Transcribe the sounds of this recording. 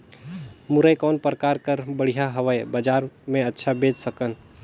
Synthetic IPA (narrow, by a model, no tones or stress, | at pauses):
mʊɾəjkɔːnpɾəkaɾkəɾbəɽ̤ijaɦəʋəjbəd͡ʒaːɾmẽətːʃʰabeːd͡ʒsəkən